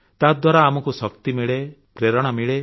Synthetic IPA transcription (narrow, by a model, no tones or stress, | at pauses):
t̪ad̪waɾaːmɔkusɔkt̪imiɭe | pɾeɾɔɽ̃ɔmiɭe